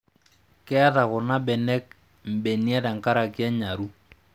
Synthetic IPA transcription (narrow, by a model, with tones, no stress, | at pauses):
kɪ˦a˦ta˨kʊ˨na˦bɛ˨nɛ˦k̚ | m̩˨bɛ˨ni˦a˦da˨ŋ̩˨ka˦ɾa˨ki˦a˦ɲa˨ɾu˦